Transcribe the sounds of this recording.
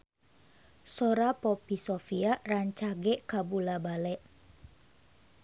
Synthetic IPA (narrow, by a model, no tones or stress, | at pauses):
soɾapopisofiaʔraɲt͡ʃaɡɛʔkabulabalɛʔ